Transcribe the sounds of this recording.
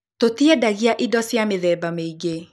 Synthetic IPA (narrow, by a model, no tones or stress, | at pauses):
totiɛdaɣiaʔidɔsjameðɛbameiɡe